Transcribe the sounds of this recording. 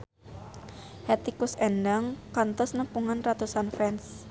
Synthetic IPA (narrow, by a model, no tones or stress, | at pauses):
hɛt̪ikusɛndaŋkant̪ɔsnəpuŋanrat̪usanfɛns